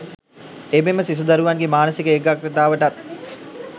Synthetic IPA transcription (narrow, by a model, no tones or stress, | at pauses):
ememəsis̬ud̪aɾuʋaŋɡemaːnəsikəeɡakɾɐt̪aːʋəʈat̪̚